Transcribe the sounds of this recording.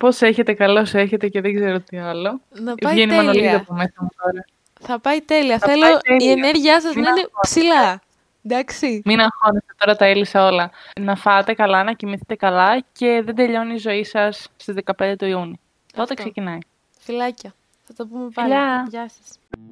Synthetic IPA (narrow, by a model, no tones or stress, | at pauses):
po̞se̞çe̞t̪e̞kɐlo̞se̞çe̞t̪e̞ceðeɡze̞ɾot̪iɐlo̞nɐɐʝenimɐnoliðoɐpomesɐmut̪oɾɐ | θɐpɐjt̪eliɐθɐeloeiieneɾʝiɐsɐzmɐinepsilɐ | d̪ɐksiminɐxonest̪et̪o̞ɾɐt̪ɐelisɐo̞lɐnɐfɐt̪e̞kɐlɐnɐcimiθet̪e̞kɐlɐce̞ðed̪e̞ʎo̞niːzo̞isɐst̪izðe̞kɐpend̪e̞t̪oiuni | t̪o̞t̪e̞ksecinɐi | filɐcɐ | θɐt̪ɐpumefiʎɐʝɐsɐs